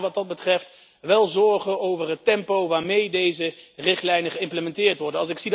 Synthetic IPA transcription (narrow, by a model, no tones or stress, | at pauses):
ʋɑt̚dɑd̚bətrɛft | ʋɛlˠzɔɹχəowvərɦətɛmpowʋaːɹmejdejzərɪχtlɛjnəχəɪmpləmɛntɪːɹtʋɔɹdənɑlˠsɪksid